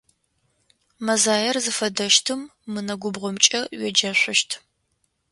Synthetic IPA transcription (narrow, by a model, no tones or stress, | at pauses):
mɐzaːjɐrzɨfɐdɐʃtʰɨmːɨnɐɡʷʊbʁʷɔmt͡ʃʼɐɥɛd͡ʒɐɕʷʊʃtʰ